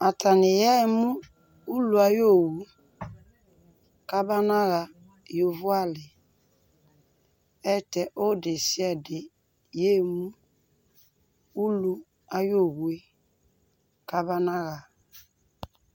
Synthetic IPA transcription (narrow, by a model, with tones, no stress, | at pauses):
a˨ta˨nɪ˨jɛ˦mu˦ | u˦lu˨a˨jo˦˨wu˨ | ka˦ba˦na˦ɣa˨ | jo˨vu˦a˦lɪ˨ | ɛ˦˨tɛ˨ʔo˦de˨si˦ɛ˦dɪ˨ | je˦˨mu˦ | u˦lu˦ | a˦jo˦˨ɣwe˦ | ka˦ba˦na˦ɣa˨